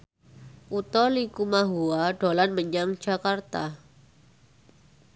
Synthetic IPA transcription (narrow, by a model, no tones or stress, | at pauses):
ʔut̪ɔlikumaɦuaɖ̥o̤lanməɲaŋ̥d͡ʒ̥a̤kart̪a